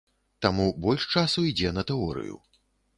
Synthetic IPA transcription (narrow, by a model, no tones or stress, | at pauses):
t̪amubɔlʲʂt͡ʂasuid͡zʲɛnɐt̪ɛɔɾɨ̰jṵ